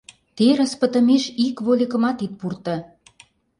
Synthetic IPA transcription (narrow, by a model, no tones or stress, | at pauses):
t̪eɾə̆spə̆t̪ə̆meʃikβolʲikə̆mɑt̪it̪̚purt̪ɤ̆